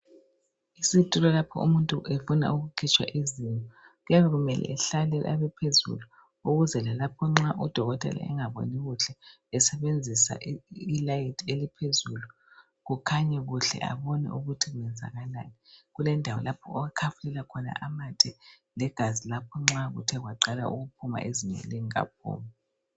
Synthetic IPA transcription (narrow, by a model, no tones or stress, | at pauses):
isitʼilɔlapʰɔ̰ṵmuntʼuʔefuna̰uɣukʰit͡ʃʼwa̰ʔizinɔ | ɣujaβɛɣumɛlʔɛ̰ɛɬalɛʔa̰βɛpʰezṵlu | uɣuzɛlalapʰɔŋ͡ǁaʔud̥ʱɔɣɔtʼɛ̰la̰ɛŋaβo̰niɣuɬɛ | ɛsɛβend͡zʱisa̰ʔilajitʰelipʰezulu | ɣukʰaɲɛɣuɬɛ̰ʔa̰βɔnɛ̰ʔuɣutʰiɣunɛnd͡zʱa̰ɣala̰niɣulɛndʱawɔlapʰɔɔɣakʰafulɛlakʰɔna̰ʔamatʰɛ | lɛɡ̥ʱazilapʰɔŋ͡ǁaɣṵtʰɛɣwaǃala̰ʔṵɣupʰuma̰ʔeziɲɛ̰ḛliŋia̰p̚ʰṵːmɔ